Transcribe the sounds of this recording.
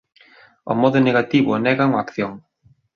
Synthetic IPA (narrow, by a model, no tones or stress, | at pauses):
ʊ̰mɔðʊneɣat̪iβʊnɛɣaŋoakθjoŋ